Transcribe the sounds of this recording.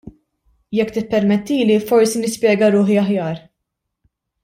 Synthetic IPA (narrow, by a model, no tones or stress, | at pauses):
jɛkːt̪ɪpːɛɾmɛt̪ːiːlifɔɾsinɪspjɛːɡɐɾʊːħiɐħjɐːɾ